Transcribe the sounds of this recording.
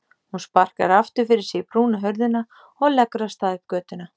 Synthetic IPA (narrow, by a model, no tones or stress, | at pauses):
hunspar̥ka̰ɾaft̪ʏɾfɪɾɪɾ̥sipɾuːnaɦœɾðɪna | ɔɣlɛkɾast̪aðʏp̚kœːt̪ɪna